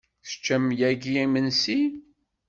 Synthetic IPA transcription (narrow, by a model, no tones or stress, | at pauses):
θə̥t͡ʃːæmjæɡiimənsi